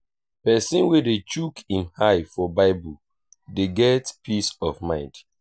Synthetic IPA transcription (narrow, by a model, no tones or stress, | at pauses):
pɛsĩnwedet͡ʃukĩmhaɪfɔbaɪbu | deɡɛtpʰisɔvmãɪ̃nd